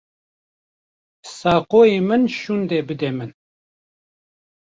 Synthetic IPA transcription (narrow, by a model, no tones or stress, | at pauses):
saːqoːjeːmɨnʃund̪eːbɨd̪ɛmɨn